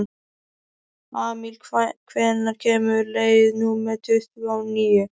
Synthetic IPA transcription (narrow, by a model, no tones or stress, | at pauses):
aːmilkʰvɛnnaɾcʰɛːmʏɾlejɪnuːmɛɾt̪ʰœθaniːjɪ